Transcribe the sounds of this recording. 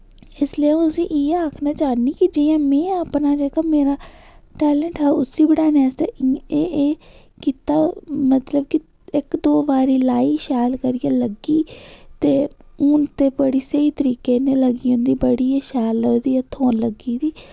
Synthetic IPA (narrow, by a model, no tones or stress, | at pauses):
ɪsliãːt̪ʊsĩːʔiːaːkʰnaːt͡ʃaːniːkid͡ʒiːãːmɛ̃ːaːpnaːd͡ʒeːkaːmeːɾaːʈɛːlɛɳʈɦɛːʊsiːbəɽaːnaːsd̪eːeː | kiːt̪aːmət̪ləbkɪ | ɪkd̪oːʋaːɾiːlaːiːʃaːlkəɾijaːləɡiːt̪eːʊnt̪eːpəɽiːsəiːt̪əɾiːkeːnẽːləɡiːõnd̪iːbəɽiːeːʃaːlod̪iːət̪ʰoːnləɡiːd̪iː